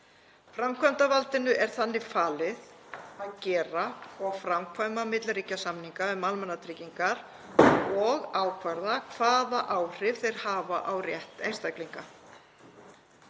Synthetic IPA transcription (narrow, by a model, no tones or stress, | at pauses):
fɾamkʰvajmt̪avalt̪ɪnʏʔɛɾ̥θanːɪfaːlɪð | aðcɛːɾaɔɣfɾamkʰvajmamɪt̪lɾiːcasamniŋkaʏðmalmanːat̪ʰɾiciŋkaɾ̥ | ɔɣaːwkʰvaɾðakʰvaːðaʔaːwr̥ɪvθejɾ̥haːvaʔawrjɛht̪ejnst̪ajkliŋka